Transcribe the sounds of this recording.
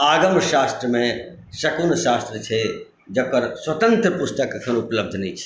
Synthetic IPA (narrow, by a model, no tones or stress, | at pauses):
aːɡəmʃaːst̪ɾəmẽ | ʃɐkuːnʃaːst̪ɾət͡ʃʰe | d͡ʒɐpɐɾswɐt̪ə̃nt̪ɾəpʊst̪əkkʰɐ̃ʊpləb̚d̪ʱnĩt͡ʃʰe̥